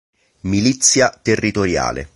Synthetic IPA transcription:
milit̪sːjat̪erːit̪oɾja̰ːlḛ

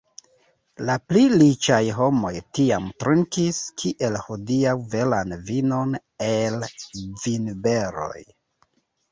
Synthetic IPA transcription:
laplilit͡ʃajɦo̞mo̞jtiamtɾuŋkiskʰiʔe̞lhodiawve̞lanvinon | elvinbe̞ɾo̞̰j

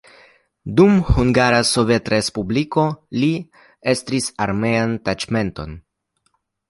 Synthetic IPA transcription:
dumhuŋɡaɾaso̞ve̞tɾespubliko̞li | e̞st̪ɾisaɾme̞antad͡ʒme̞nto̞̰n

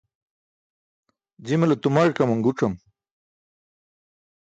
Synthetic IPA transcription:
d͡ʑimɐlɐt̪umaɻkɐmɐŋɡuʈ͡ʂɐm

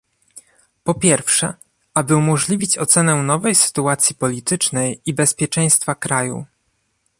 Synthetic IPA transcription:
pɔpʲjɛɾfʂɛ | abɘumɔʐlʲivʲit͡ɕɔt̪sɛnɛnɔvɛjsɘ̥t̪uat̪sʲjipɔlʲit̪ɘt͡ʂnɛjibɛspʲjɛt͡ʂɛ̃j̃st̪fakɾajṵ

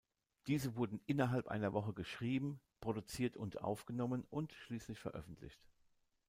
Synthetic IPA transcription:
d̥iːzəvʊɐdn̩ʔɪnɐɦalpʔa̰ɪnɐvɔχəɡəʃʁ̥iːbm̩pʁ̥oɾut͡siːɐtʰʊntʔa̰ʊfɡ̥ənɔmənʔʊntʃliːslɪçfɛɐʔœ̰fn̩tʰlɪ̰çt

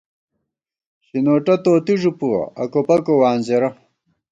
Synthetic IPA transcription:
ɕinoːʈɐt̪oːt̪iʐupuɐ̰ɐ̰kopɐkowaːnzeɾɐ

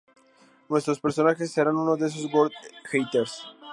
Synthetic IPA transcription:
nwe̞st̪ɾo̞speɾso̞naxesːeɾanunozðes̬ozɡoɾd̪xejt̪eɾs

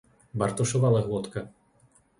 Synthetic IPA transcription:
bɐrt̪ɔʂɔvalˠɐɣɔt̪kɐ

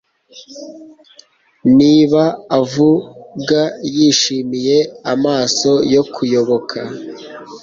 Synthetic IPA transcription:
niːβaːvuɡajiːʃiːmije̞amaːso̞jo̞kʰujo̞βo̞kʰa

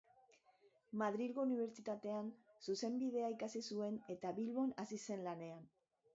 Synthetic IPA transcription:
maðɾilɣouniβ̞e̞ɾt͡ʃit̪at̪e̞ansuse̞mbið̞e̞aikasisue̞ne̞t̪aβilβo̞nasise̞nlane̞an

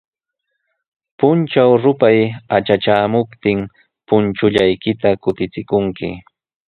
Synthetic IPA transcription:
pʊnt͡ʃawɾʊpajat͡ʃat͡ʃaːmʊpt̪ɪŋ | pʊnt͡ʃʊʎajkɪt̪akʊt̪ɪt͡sɪkʊŋkɪ̰

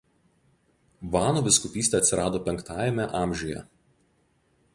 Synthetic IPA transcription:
ʋɑːnuːʋʲɪskʊpʲiːsʲt̪ʲɛɐt̪ʲsʲɪɾɑːd̪oːpʲɛŋkt̪ɑːjɛmʲɛʔɑːˑmʲʒʲʊjɛ̰

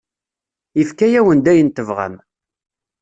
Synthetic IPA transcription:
ifkæjæwənd̪æjənt̪əvʁa̰m

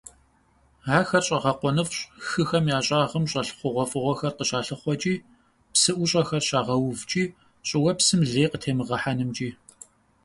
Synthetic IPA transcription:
aːxɐrɕʼɐʁɐqʷɔnɨfɕʼxɨxɐmjaːɕʼaːʁəmɕʼɐɬχʷʊʁʷɔfɨʁʷɔxɐrqəɕaːɬɨχʷɔt͡ʃʼiː | psɨʔʷʊɕʼɐxɐrɕaːʁɐwvt͡ʃʼiː | ɕʼɪwɐpsɨmɮeːjqətʰeːmɨʁɐħanɨmt͡ʃʼiː

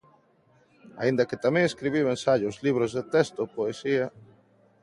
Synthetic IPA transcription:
a̰ind̪ɐkɪt̪amẽŋeskɾiβ̞iwensaʎozliβɾozðet̪est̪opoesiɐ

